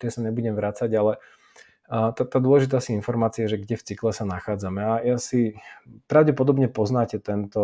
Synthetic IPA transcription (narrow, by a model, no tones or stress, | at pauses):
t̪ɪɛsaɲɛbuɟɛmʋɾat͡saɟalɛ | t̪at̪aːd̪ʊɔlɛʒit̪aːsiinfɔɾmaːt͡siajɛʒɛɡɟɛft͡siklɛsanaxaːd͡zamɛajasipɾaʊɟɛpɔd̪ɔbɲɛpɔznaːcɛt̪ɛnt̪ɔ